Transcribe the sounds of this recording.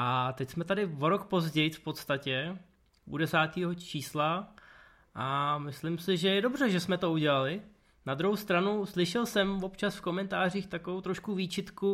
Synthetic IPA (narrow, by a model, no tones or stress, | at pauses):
ʔat̪ɛcsmɛt̪adɪvo̞ɾo̞kpo̞zɟɛjfpo̞t̪st̪acɛ | ʔṵdɛsaːt̪iːɦo̞t͡ʃiːsla | ʔamɪslɪmsɪʒɛjɛdo̞br̝ɛʒɛsmɛt̪o̞uɟɛlalɪ | nad̪ɾuɦowst̪ɾanuslɪʃɛlsɛmvo̞pt͡ʃasfko̞mɛnt̪aːr̝iːxt̪akovowt̪ɾoʃkuviːt͡ʃɪt̪ku